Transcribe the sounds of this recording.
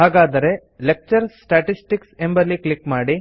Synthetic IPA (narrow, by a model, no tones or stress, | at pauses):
ɦaːɡaːd̪ɐɾe̞lek̚t͡ʃɐɾsʈaːʈisʈiksembɐlːiklikmaːɽi